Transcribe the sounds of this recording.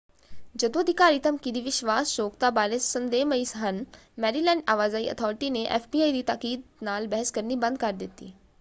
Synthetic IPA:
d͡ʒɐd̪oɐd̪ʱikaːɾit̪ɐmkid̪iʋɪʃʋaːsʃoːk̚t̪aːbaːlɪsːɐnd̪eːmɐiːsɦɐn | mɛːɾilɛ̃ːɳɖaːʋaːzaːiʔɐ̰t̪ʰɔːɾʈineʔḛːfbiːaːid̪iːt̪aːkiːd̪̚naːlbɛɦəskɐɾnibɐ̃nd̪̚kɐɾd̪ɪt̪ḭː

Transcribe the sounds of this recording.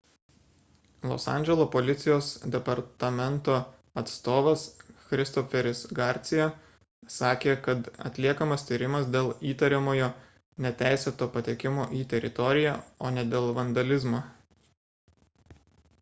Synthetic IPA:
lˠɔ̰sɑ̰nʲd͡ʒʲɛlˠoːpolʲɪt̪sʲɪjoːsd̪ʲɛpɐɾt̪ɐmʲɛnt̪oː | ɐt̪st̪oːʋɐsxɾʲɪst̪ɔfʲɛɾʲɪsɡɑˑɾʲt̪sʲɪjɛ | sɑːkʲeːkɐt̪ɐ̰t̪ʲlʲiɛkɐmɐst̪ʲiːɾʲɪmɐsd̪ʲeːlˠiːt̪ɐɾʲemoːjoː | nʲɛt̪ʲæˑɪsʲɛt̪oːpɐt̪ʲeːkʲɪmoːʔiːt̪ʲɛɾʲɪt̪ɔɾʲɪjæ̰ˑoːnʲɛd̪ʲeːlˠʋɐnd̪ɐlʲɪzmoː

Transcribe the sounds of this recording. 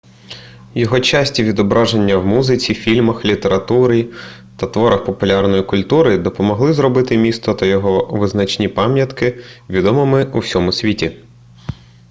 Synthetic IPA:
jɔɦɔt͡ʃasʲtʲiʋʲid̪ɔbɾʔɑʒenʲːɐwmuzɪt͡sʲifʲilʲmɐxlʲit̪eɾɐt̪uɾɪ | t̪ɐt̪ʋɔɾɐxpɔpʊlʲɑrnɔjikʊlʲt̪uɾɪd̪ɔpɔmɔɦlˠɪzɾɔbɪt̪ɪmʲist̪ɔt̪ɐjɔɦɔʋɪznɐt͡ʃnʲipɑmʲjɐt̪kɪʋʲid̪ɔmɔmɪʔuwsʲɔmʊsʲʋʲitʲi

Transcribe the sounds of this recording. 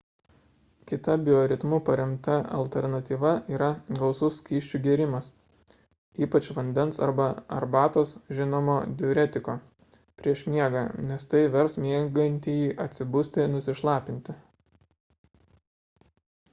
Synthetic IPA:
kʲɪt̪ɐbʲɪoːɾʲɪt̪mʊpɐɾʲɛmt̪ɐɐ̰lʲt̪ʲɛɾnɐt̪ʲiːʋɐiːɾɐɡɒʊsʊsːʲkʲiːʃʲt͡ʃʲuɡʲiɛɾʲɪmɐs | iːpɐt͡ʃʋɐnʲd̪ʲɛnsɐ̰ɾbɐɐ̰ɾbɑːt̪oːsʒʲɪnoːmoːd̪ʲɪʊɾʲɛt̪ʲɪkoː | pʲɾʲiɛʃmʲiɛɡɑnʲɛst̪ɐɪʋʲɛɾsmʲiɛɡɐnʲt̪ʲiːjiːʔɐt̪ʲsʲɪbʊsʲt̪ʲɪnʊsʲɪʃlˠɑːpʲɪnʲt̪ʲɪ

